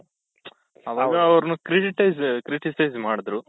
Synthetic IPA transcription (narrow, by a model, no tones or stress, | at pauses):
ɐʋɐɡɐɐʋɐɾɐnukɾiʈiʈɐjskɾiʈisɐjzmaːɽid̪ɾu